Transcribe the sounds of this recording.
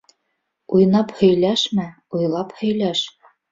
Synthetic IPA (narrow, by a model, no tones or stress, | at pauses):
ujnɑphɵ̆jlæʃmæ | ujlˠɑphɵ̆jlæʃ